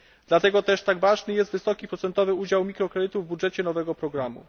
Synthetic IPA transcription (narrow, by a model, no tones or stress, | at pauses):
d̪̥lat̪ɛɡɔt̪ɛʂt̪aɡvaʐnɘjɛst̪vɘsɔkʲipɾɔt̪sɛnt̪ɔvɘud͡ʑawmʲikɾɔkɾɛd̪ɘt̪uvbudʐɛt͡ɕɛnɔvɛɡɔpɾɔɡɾamṵ